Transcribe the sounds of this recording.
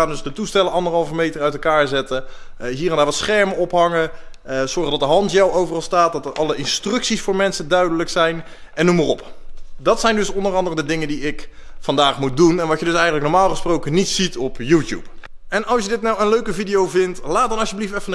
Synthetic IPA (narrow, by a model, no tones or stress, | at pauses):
aːdɵsdətustɛləɑndərɦɑlˠvəmejtərœɥtɛlˠkaːɹzɛtəɦiːɾɛndaːɹʋɑtsχɛɹməɔpɦɑŋəz̥ɔɹχədɑt̚dəɦɑntjɛwowvərɑlˠstaːt̚dɑtəɹʔɑləʔɪnstrɵksisfʊːɹmɛnsədœɥdələksɛjn | ɛnːumarɔpdɑtsɛjndɵsɔndərɑndərədədɪŋəndiɪk | fɑndaːχmut̚dunɛnʋɑtjədɵsɛjənələknɔɹmaːlˠχəsprowkənitsitɔpjuːtjṵp | ɛnɑlˠsjədɪtnɑwənløɥkəvidijowvɪntlaːd̚ɑnɑʃjəbliftɛfənə